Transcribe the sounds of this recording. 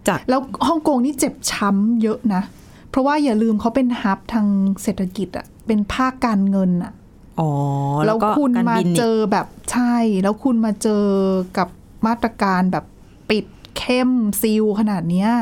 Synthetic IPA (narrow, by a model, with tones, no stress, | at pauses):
lɛː˦˥whɔ˥˩ŋkoː˧ŋniː˥˩t͡ɕe˨˩p̚t͡ɕʰa˦˥mjɤ˦˥ʔna˦˥ | pʰɾɔ˦˥waː˥˩jaː˨˩lɯː˧mkʰa˦˥wpe˧nha˦˥p̚t̪ʰaː˧ŋseː˨˩t̪ʰa˧ki˨˩t̪̚ʔa̰˨˩pe˧npʰaː˥˩kːaː˧nŋɤ˧nʔa˨˩ʔ | ʔɔː˨˦lɛː˦˥wʰu˧nmaː˧t͡ɕɤː˧bɛː˨˩p̚t͡ɕʰa˥˩jlɛː˦˥wkʰu˧nmaː˧t͡ɕɤː˧ka˨˩p̚maː˥˩t̪ɾa˧kaː˧nbɛː˨˩pː | i˨˩t̪̚kʰe˥˩msi˧wkʰa˧naː˨˩t̪̚ni˦˥ɐ